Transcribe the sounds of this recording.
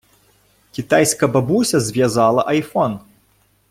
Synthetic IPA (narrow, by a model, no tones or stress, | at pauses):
kʲit̪ajsʲkɐbabusʲɐzʲvʲjazalˠɐʔɐjfɔn